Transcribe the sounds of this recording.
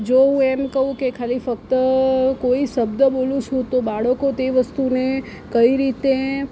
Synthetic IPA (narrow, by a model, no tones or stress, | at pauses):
d͡ʒoɦũɛmkəɦũkekʰalifək̚t̪əkoiʃəbd̪əbolũt͡ʃʰũt̪obaɭəkot̪eʋəst̪une | kəiɾit̪e